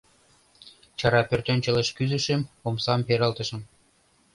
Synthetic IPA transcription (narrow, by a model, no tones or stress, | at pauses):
t͡ɕɑɾɑpørt̪ønʲt͡ɕə̆lə̆ʃkyzɘ̆ʃĕmomsɑmpeɾɑ̆lt̪ɤ̆ʃə̆m